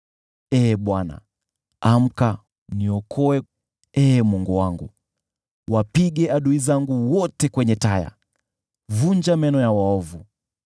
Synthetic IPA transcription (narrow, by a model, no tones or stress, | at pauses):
ɛːɓwana̰ | am̩ka | niɔkʰɔɛ | ɛːmwɔŋɡɔwaŋɡṵ | wapiɡɛaɗuizaŋɡuwɔtɛkwɛɲɛtaja̰ | vuɲd͡ʒamɛnɔjawaɔvu